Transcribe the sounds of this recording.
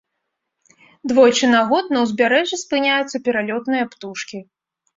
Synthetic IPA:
d̪vɔjt͡ʂɨnaɣɔt̪̚nɐwzʲbʲaɾɛʐɨspɨnʲajut̪sːɐpʲɛɾalʲɔt̪nɨjɐpt̪uʂkʲi

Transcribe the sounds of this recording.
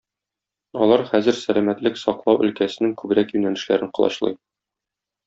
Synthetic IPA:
ɒlˠɑɾχæzɘɾsælæmæt̪lɘksɒqlˠɑwʔɵ̆lkæsɘ̆nɘŋkʉbɾækjʉnælɘ̆ʃlæɾɘɴqɤ̆lˠɑ̰ɕlˠɤ̰j

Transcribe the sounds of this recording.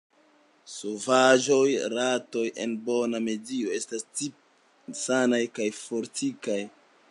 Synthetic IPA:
sovaʒo̞jɾato̞je̞̰nbo̞name̞dio̞e̞stast͡si | sanajkajfo̞ɾtikaj

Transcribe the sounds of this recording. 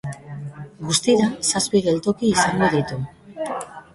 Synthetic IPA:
ɡust̪iɾasaspiɣe̞lt̪o̞kiːsaŋɡo̞ðit̪u

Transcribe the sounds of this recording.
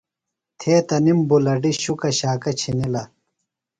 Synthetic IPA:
t̪ʰeːt̪ɐnimbulɐɖiɕukɐɕaːkɐt͡ɕʰinilɐ

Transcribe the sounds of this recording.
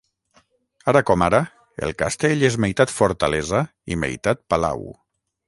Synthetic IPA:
aɾakɔmaɾa | ḛlˠkast̪eʎezmejt̪at̪foɾt̪aleza | imḛjt̪at̪̚pala̰w

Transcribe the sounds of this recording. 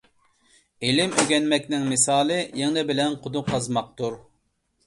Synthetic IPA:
elɪmøɡʲɛnmɛkʲnɪŋmɨsɑːlˠɨjeŋnɪbɪlɛnqʰʊd̪uqʰɑzmɑq̚t̪uɾ

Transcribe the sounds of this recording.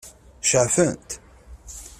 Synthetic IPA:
ʃəʕfənt̪

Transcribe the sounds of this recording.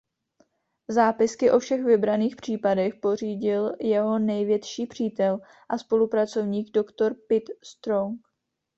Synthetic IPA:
zaːpɪskɪʔo̞fʃɛxvɪbɾaniːxpr̝̥iːpadɛxpo̞r̝iːɟɪljɛɦo̞nɛjvjɛt̪ʃiːpr̝̥iːt̪ɛl | ʔaspo̞lupɾat͡so̞vɲiːɡdo̞kt̪o̞ɾpɪt̪st̪ɾoŋk

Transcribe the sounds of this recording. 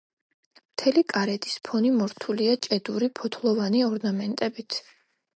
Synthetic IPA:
mt̪ʰɛlikʼaɾɛt̪i̥spʰɔnimɔɾt̪ʰuliat͡ʃʼɛd̪uɾipʰɔt̪ʰlˠɔvaniɔɾnamɛnt̪ʼɛbit̪ʰ

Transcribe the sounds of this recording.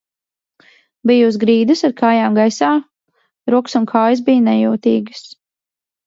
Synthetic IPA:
bijuːsɡɾiːd̪ɨsaɾkʰaːjaːmɡajsaː | ɾuɔksunkʰaːjs̬bijnɛjuːt̪iːɡɨs

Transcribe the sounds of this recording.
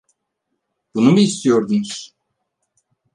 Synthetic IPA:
b̥unubiːst̪ʰijo̞ɾd̪unuz̥

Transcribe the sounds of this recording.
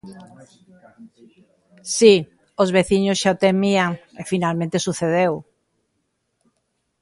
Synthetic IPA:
si | ozβeθiɲosʃaot̪emiaŋefinalmẽnt̪esuθeð̞ew

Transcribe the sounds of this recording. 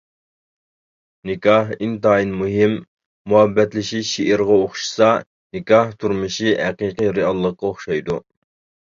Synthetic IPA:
nɪkʲɑɦint̪ɑːinmuɦɪmː | uɦɛbːɛt̪lɪʃiʃʃiʔɪɾʁɑoχʃi̥sɑ | nɪkʲɑht̪ʰuɾmɨʃiɦæqiːqijɾɪɑlˠːəqːɑoχʃɑjd̪u

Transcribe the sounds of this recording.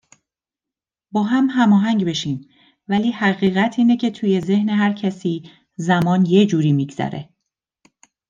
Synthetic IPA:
bɒːɦæmɦæmɒːɦæŋɟbe̞ʃiːm | væliːhæɣiːɣæt̪ʰiːne̞cʰe̞t̪ʰuːje̞ze̞hneɦæɾcʰæsiː | zæmɒːnje̞d͡ʒuːɾiːmiːɡz̥æ̰ɾe̞̰

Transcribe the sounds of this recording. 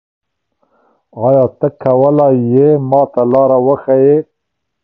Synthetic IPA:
ɑjɑt̪əkʰːawəlajemɑːt̪alɑɾawəxaje

